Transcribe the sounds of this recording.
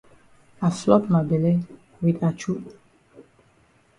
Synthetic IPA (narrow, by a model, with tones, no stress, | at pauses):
aflɔ˦tma˨bɛ˨le˦ | widat͡ʃu˦